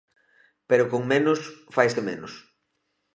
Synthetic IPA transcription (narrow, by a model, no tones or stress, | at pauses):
peɾʊkoŋmenʊsfajsemenʊs